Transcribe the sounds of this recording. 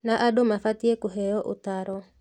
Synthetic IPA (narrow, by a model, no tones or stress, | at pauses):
naʔadomafat̪iekuɦɛjɔʔʊ̰t̪aɾɔ